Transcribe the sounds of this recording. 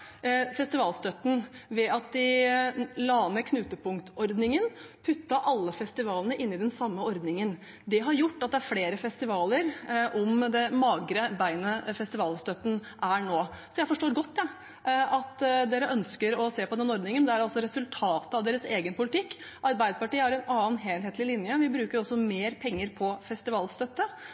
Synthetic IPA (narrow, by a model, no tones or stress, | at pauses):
fɛst̪ɪʋɑːlst̪œt̪n̩ʋɛʔɑt̪̚d̪ɪ | lɑːnəkʰnʉːt̪əpʰʊŋkt̪ɔɾd̪nɪŋənpʰʉt̪ːɑʔɑlːəfɛst̪ɪʋɑːlənəʔɪnːɪd̪ɛnsɑmːəɔɾd̪nɪŋən | d̪ɛɦɑɾjʊʈːɑt̪̚d̪ɛæɾfleːɾəfɛst̪ɪʋɑːləɾʔɔmd̪ɛmɑːɡɾəbæɪnəfɛst̪ɪʋɑːlst̪œt̪ːən̩ʔæɳoːsɔjæɪfɔʂʈoːɾɡɔt̪ːd̪ɛ | ʔɑt̪d̪eːɾəʔœnskəɾɔseːpɔd̪ɛnɔɾd̪nɪŋənd̪ɛæɾɑlsɔɾɛsʉlt̪ʰɑːt̪əɑʋd̪eːɾəseːɡənpʊlɪt̪ɪkːʔɑɾbæɪd̪əpɑʈiːəhɑɾɛnɑːənɦeːlɦeːt̪lɪlɪnjəʋɪbɾʉːkəɾɔsːɔmeːɾpʰɛŋːəɾpʰɔfɛst̪ɪʋɑːlst̪œt̪ːə